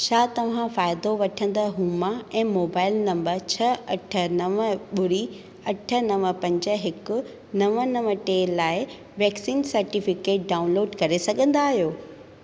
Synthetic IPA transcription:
t͡ɕʰaːt̪ɐʋ̤ãfaːɪd̪oʋɐʈʰə̃nd̪əɦũːmaɛ̃ːmoːbaːɪlnɐ̃mbəɾt͡ɕʰɐɐʈʰə̆nɐʋəɓʊɾi | ɐʈʰə̆nɐʋə̃pɐ̃ɲd͡ʑə̆ɦɪkʊ̆ | nɐʋənɐʋə̃ʈeːlaːɪ | ʋɛːksiːnsɐɾʈifɪkeːʈ̚ɖaːʊ̃nloːɖkɐɾesɐɡʱə̃nd̪aːɦijoː

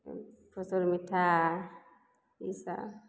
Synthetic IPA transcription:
pʰɔsoɾmitʰa | isa̰

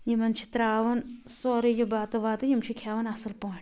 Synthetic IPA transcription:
jimɐnt͡ʃʰi̥t̪ɾaːʋɐn | soːɾijɐbaːt̪ɐʋaːt̪ɐjimt͡ʃʰikʰjaːʋɐnɐsɐlpoːʈʰʲ

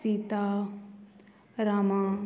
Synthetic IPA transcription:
iːt̪a | ɾaːmã

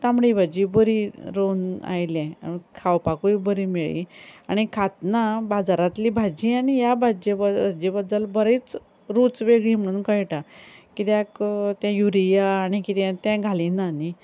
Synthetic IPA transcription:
t̪ãmɽibʱad͡ʑiːbəɾiɾona̰jlɛ̃kʰawpakuibəɾiːmeɭḭa̰ɽ̃ikʰat̪nabad͡zaɾat̪liːbʱad͡ʑiːaɽ̃ijabʱad͡ʑebd͡ʑebəd̪ːəlbəɾet͡s | ɾut͡sʋeɡɭiːm̤əɽ̃uːnkəjʈakit̪jakt̪jãjuɾijaːɽ̃ikit̪jãt̪jãɡʱalinani

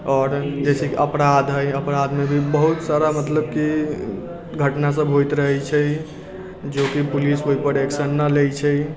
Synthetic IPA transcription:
ɔːɾd͡ʒesekeʔəpɾad̪ɦəjəpɾad̪mebʱibəɦut̪saɾamət̪ləb̚ki | ɡʱəʈnas̬əbʱɦojt̪ɾəɦɛt͡ʃʰɛ | d͡ʒokipulisɦoipəɾeksənːəlejt͡ʃʰɛ

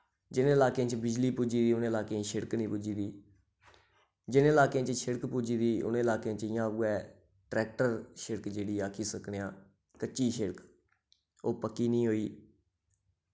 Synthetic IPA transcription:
d͡ʒɪnɪlaːkːt͡ʃbɪd͡ʒliːpʊd͡ʒiːd̪iːʊnːɪlaːkeãʃɪɽəknĩːpʊd͡ʒiːd̪iː | d͡ʒɪnɪlaːkeãːt͡ʃʃɪɽəkpud͡ʒiːd̪iːʊ̰nːɪlaːkeãːt͡ʃɪjãːuɛː | ʈɾɛːk̚ʈəɾʃɪɽəkd͡ʒeːɽiːaːkʰiːsəkneãː | kəːʃiːʃɪɽək | oːpəkːiːnĩːɦoːiː

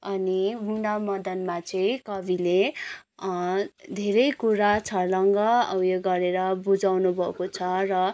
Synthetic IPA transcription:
ʌnimuɳɖamʌd̪ʌnmat͡sʌĩkʌbile | d̪ʱeɾʌjkuɾat͡sʰʌlʌŋɡʌʌ̰wjʌɡʌɾeɾʌbud͡zawnubʱʌkot͡sʰʌrʌ

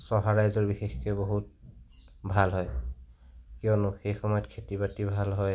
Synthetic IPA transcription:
sɔɦaɹajzɔɹbixexkeboɦut̚ | bʱalɦɔj | kionʊxejxɔmɔjɔtkʰetibatibʱalɦɔj

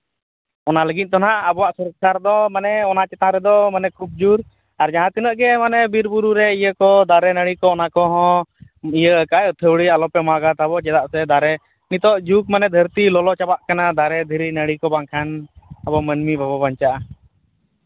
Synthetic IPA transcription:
ɔnaləɡit̪̚ˀt̪ɔnaʔabɔwaʔsəɾsaɾd̪ɔmanɛɔnat͡ʃɛt̪ãɾɛd̪ɔmanɛkɾup̚d͡ʒuɾ | aɾd͡ʒaɦãt̪inəʔɡɛmanɛbiɾbuɾuɾɛijəkɔd̪aɾɛnəɽikɔːnakɔɦɔ̃ijəəkajɔt̪ʰəwɽialɔpɛmaɡat̪abɔt͡ʃɛd̪aʔsɛd̪aɾɛ | nit̪ɔʔd͡ʒuk̚manɛd̪ʱəɾt̪ilɔlɔt͡ʃabaʔkanad̪aɾɛd̪ʱiɾinəɽikɔbaŋkʰanabɔmənmibʱababaɲt͡ʃaʔa

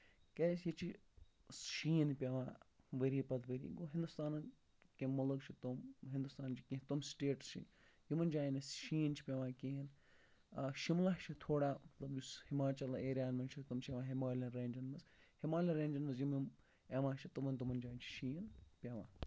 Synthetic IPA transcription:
keːjit͡ʃʰi | sʃiːnpʲeʋãː | ʋɐɾiːpɐt̪ʋɐɾḭːɡoːɦind̪ust̪aːnn | kemɐlɐkt͡ʃʰit̪umɦĩnd̪ust̪aːnt͡ʃʰi̥kĩːt̪umsʈeːʈt͡ʃʰḭ | jimɐnd͡ʒaːinɐsʃiːnt͡ʃʰi̥pʲeʋãːkĩɦin | ʃimlaɦt͡ʃʰit̪ʰoːɽaːmɐt̪lɐbjushimaːt͡ʃɐlɐeːɾʲjaːnmɐnt͡ʃʰit̪umt͡ʃʰeʋãːɦimaːlʲɐnɾeːnʲd͡ʒɐnmɐzhimaːlʲinɾeːnʲd͡ʒɐnmɐz̬jimim | eʋãːt͡ʃʰit̪umɐnt̪umɐnd͡ʒaːnt͡ʃʰi̥ʃiːnpʲeʋã̰ː

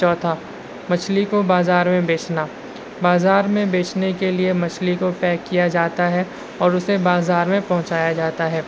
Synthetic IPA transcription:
t͡ʃɔːt̪ʰa | mɐt͡ʃʰlikobaːzaːɾmẽbeːt͡ʃʰna | baːzaːɾmẽbeːt͡ʃʰnekeliemɐt͡ʃʰlikopɛːkːijad͡ʒaːt̪aɦɛ | ɔːɾʊsebaːzaːɾmẽpɐɦʊ̃t͡ʃaːjad͡ʒaːt̪aɦɛː

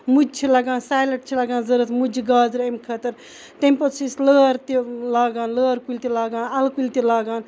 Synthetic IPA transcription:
mud͡ʒt͡ʃʰilɐɡãːnsaːjlɐʈ̚t͡ʃʰilɐɡãːnzɐɾɐt̪ʰmud͡ʒiɡaːzɾemkʰɐt̪ɐɾ | t̪empɐsʰisləːɾt̪ilaːɡaːnləːɾkulʲt̪ilaːɡãːnɐlkulʲt̪ilaːɡaːn

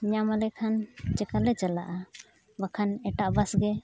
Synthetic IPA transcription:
ɲamalɛkʰant͡ʃɛkalɛt͡ʃala̰ʔa | wakʰanɛʈaʔbasɡɛ

